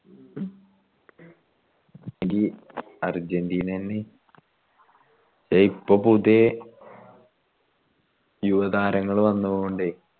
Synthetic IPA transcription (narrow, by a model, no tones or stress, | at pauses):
ŋɡi | ɐrd͡ʑend̪iːnɐnːe | t͡ɕejpːɐpud̪je | juʋɐðaːɾɐŋːɐɭʋɐnːuʋoɳɖɨ